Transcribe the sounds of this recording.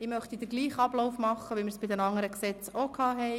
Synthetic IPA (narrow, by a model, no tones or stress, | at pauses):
ɪmœχt̪id̪əɾɡliːχɑb̥loʊfmɑχːəʋimɪɾsb̥ɪdɛnɑŋːəɾəksɛt͡sokʰɑːɦɛɪ